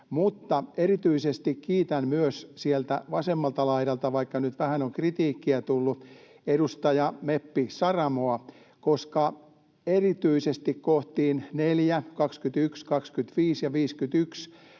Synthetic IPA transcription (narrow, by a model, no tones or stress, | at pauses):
mut̪ːɑerit̪yisest̪ikkiːt̪ænmyøssielt̪æ̰ʋɑsemːɑlt̪ɑlɑiɾɑlt̪ɑʋɑikːɑnyt̪ʋæhænoŋkrit̪iːkːiæt̪ulːu | edust̪ɑjɑmepːisɑrɑmoɑ | koskɑ | erit̪yisest̪ikkoht̪iːnneljækɑkskyt̪ykskɑkskyt̪ʋiːsjɑʋiːskyt̪yks